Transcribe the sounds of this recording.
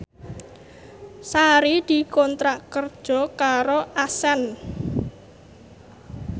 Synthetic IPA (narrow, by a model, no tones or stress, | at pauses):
saɾid̪̥i̤kɔnt̪ɾaʔkərd̥ʒ̥ɔ̤kaɾoʔasɛn